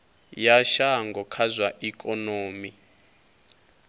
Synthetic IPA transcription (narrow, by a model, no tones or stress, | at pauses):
jaʃaŋɡʱɔkʰazwaʔikʼɔnoːmi